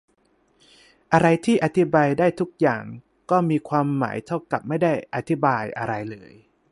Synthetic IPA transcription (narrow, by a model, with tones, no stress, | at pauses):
ʔa˧ɾa˧jt̪ʰiː˥˩ʔa˨˧t̪ʰi˦˥baː˧jdaː˥˩jt̪ʰu˦˥k̚jaː˨˩ŋ | kɔː˥˩miː˧kʰwaː˧mːa̰ː˩˦jt̪ʰa˥˩wka˨˩p̚ma˥˩jdaː˥˩jʔa˧t̪ʰi˦˥baː˧jʔa˧ɾa˧jlɤː˧j